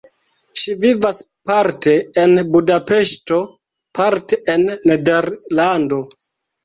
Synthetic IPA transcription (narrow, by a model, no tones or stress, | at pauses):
ʃivivas | paɾte̞enbudape̞ʃto̞ | pʰaɾteʔenːedeɾlando̞